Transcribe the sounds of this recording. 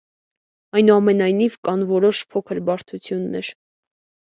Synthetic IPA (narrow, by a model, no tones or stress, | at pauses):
ɑjnuɑmɛnɑjnivkɑnvɔɾɔʃpʰɔkʰəɾbɑɾt̪ʰut͡sʰjunːɛɾ